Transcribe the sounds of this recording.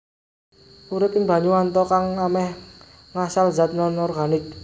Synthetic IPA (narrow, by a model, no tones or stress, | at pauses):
uɾɪpɪŋba̤ɲuwant̪ɔkaŋlamɛh | ŋasalza̤t̪̚nɔnɔrɡanɪk̚